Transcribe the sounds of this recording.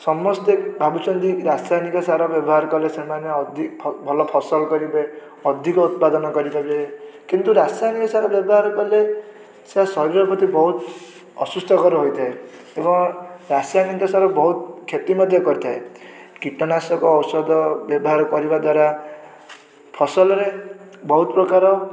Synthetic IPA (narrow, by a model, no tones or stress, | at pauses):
sɔmɔst̪ebʱabut͡ʃɔnd̪iɾasanikɔsaɾɔbjɔbɔɦaɾɔkɔlesemaneɔd̪ʱipʰbʱɔlɔpʰɔsɔlkɔɾibe | ɔd̪ʱikɔut̪̚pad̪ɔnɔkɔɾibʱabekint̪uɾasanikɔsaɾɔbjɔbɔɦaɾkɔle | seasɔɾiɾɔpʰɔt̪ibɔɦut̪ | ɔ̰sust̪ʰɔkɔɾuɦojt̪ʰae | ebɔŋɾasijanint̪ɔsaɾɔbɔɦut̪̚kʰːet̪imɔd̪ʱjɔkɔɾit̪ʰaekiʈɔnasɔkɔːwsɔd̪ɔbjɔbɔɦaɾɔkɔɾibad̪waɾa | pʰɔsɔlɔɾebɔɦut̪̚pɾɔkaɾɔ